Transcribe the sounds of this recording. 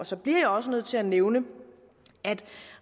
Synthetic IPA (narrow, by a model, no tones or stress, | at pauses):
ɒ̽sɒ̽b̥liɐ̰jɑ̈ɒ̽sənøð̞̰ˠt͡sʰe̝æneʊnə | æd̥